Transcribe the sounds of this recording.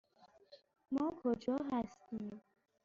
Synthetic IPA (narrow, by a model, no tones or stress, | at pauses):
mɒːkʰod͡ʒɒːɦæst̪iːm